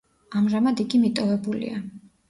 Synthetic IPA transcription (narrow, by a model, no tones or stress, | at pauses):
amʒamad̪iɡimit̪ʼɔvɛbulḭa